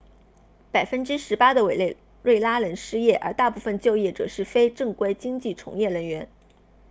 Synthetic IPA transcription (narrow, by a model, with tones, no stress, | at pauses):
pa˨˩ɪfə˥nʈ͡ʂɻ̩˥ʂɻ̩˧˥pa˥d̪ə˨we˨˩ɪl | ɻe˥˩ɪla˥lə˧˥nʂɻ̩˥jɛ˥˩ʔə̰˞˧˥t̪a˥˧pu˥˩fə˧nt͡ɕjo˥˧ʊjɛ˥˩ʈ͡ʂɤ̰˨˩ʂɻ̩˥˩fe˥ɪʈ͡ʂɤ˥˩ŋkwe˥ɪt͡ɕi˥ŋt͡ɕi˥˩ʈ͡ʂʰʊ̰˧˥ŋjɛ˥˩ɻə˧˥nɥɛ˧˥n